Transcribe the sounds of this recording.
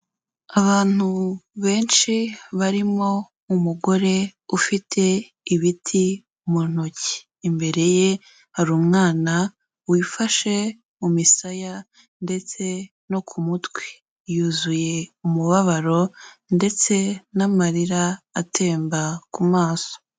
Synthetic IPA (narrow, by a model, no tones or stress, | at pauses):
aβaːn̥uβe̞ːnʃiβaɾimo̞ | umuɡo̞ɾe̞ufitʰe̞ | iβitʰi | umon̥oci̥ː | mbe̞ɾe̞je | haɾuːmŋaːna | wifaʃe̞ | umisaja | nde̞t͡se̞ | no̞kʰumutwi̥ | juːzuje̞umuβaβaɾo̞nde̞t͡se̞namaɾiɾaːtʰe̞ːmbakumaːso̥